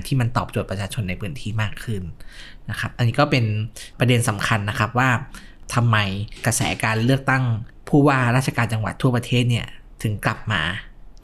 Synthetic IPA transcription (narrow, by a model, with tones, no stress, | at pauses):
nt̪ʰiː˥˩ma˧nt̪ɔː˨˩p̚t͡ɕo˨˩t̪̚pɾa˧t͡ɕʰaː˧t͡ɕʰo˧nːa˧jpʰɯː˦˥nt̪ʰiː˥˩maː˥˩kʰːɯ˥˩n | na˦˥kʰa˦˥p̚ʔa˧nːiː˦˥kɔː˥˩pe˧npɾa˧de˧nsa˩˦mkʰa˧nːa˦˥kʰa˦˥p̚waː˥˩ | t̪ʰa˧mːa˧jkɾa˧sɛ̰ː˩˦kaː˧nlɯ˥˩ək̚t̪a˥˩ŋpʰuː˥˩waː˥˩ɾaː˥˩t͡ɕʰa˧kaː˧nt͡ɕa˧ŋwa˨˩t̪ʰːu˥˩ɐpɾa˧t̪ʰeː˥˩t̪̚ni˥˩ɐ | t̪ʰɯ˩˦ŋkla˨˩p̚ma̰ː˧